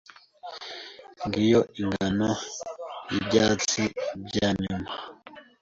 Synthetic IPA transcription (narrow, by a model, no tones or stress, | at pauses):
ŋɡijoʔiŋɡanojibɟaːt͡sibɟaːɲuma